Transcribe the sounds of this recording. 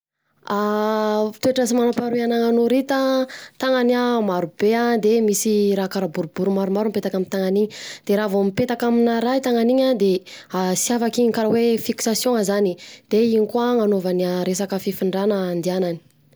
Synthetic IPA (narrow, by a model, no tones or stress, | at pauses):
a | t̪ueʈ͡ʂəsimanapaɾuanaŋanoɾit̪ət̪aŋanamaɾubead̪emisiɾakaɾabuɾubuɾumaɾumaɾumpet̪akamint̪aŋaniɲid̪̥eɾaːvomipet̪akaminaɾajt̪aŋaniɲad̪easiafakiɲŋkaɾawefiksasjõŋəzanid̪̥eiɲikuaŋanovaniaɾesakəfifiɳɖ͡ʐanəːnd̪ianani̥